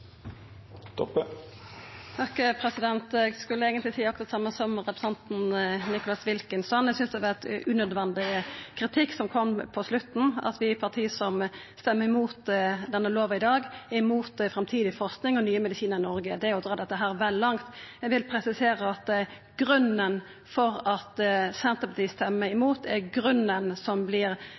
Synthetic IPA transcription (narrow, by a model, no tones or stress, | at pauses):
t̪p | t̪ʰɑkːpʰɾɛsɪd̪ɛnt̪ɛɡskʉləeːɡənt̪lɪsiːɑksɑt̪sɑmːəsɔmʁɛpɾəsɛnt̪nnɪkʊlɑsʋɪlkənsɔnːɛɪsʏnsd̪ɛɑʋɑʁɛt̪ʔʉnœd̪ʋɛnd̪ɪkʰɾɪt̪ʰɪkːsɔmkʰɔmːpʰɔslʉt̪n̩ɑ̰t̪ʋɪpʰɑt̪ʰiːəsɔm | st̪ɛmːəɾɪmuːt̪d̪ɛnːəloːʋɪd̪ɑːɡæmuːt̪fɾɑmt̪ʰiːd̪ɪfɔɾsknɪŋɔnyːəmɛd̪ɪsiːnəɾɪnɔɾɡəd̪ɛæɾjʊd̪ɾɑːd̪ɛt̪ːəɦæːɾʋɛlːlɑŋt̪ɛʋɪlpʰɾɛsɪseːɾəɑt̪ | ɡ̥ɾʉnən | fɔɾɑt̪sɛnt̪əpʰɑt̪iːst̪ɛmːəɪmuːt̪æɾɡɾʉnːənsɔmblɪɾ